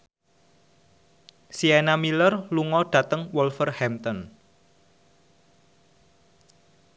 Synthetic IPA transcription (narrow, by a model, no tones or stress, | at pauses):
sienamilərluŋɔɖ̥ä̤t̪əŋwɔlfərhɛmt̪ɔn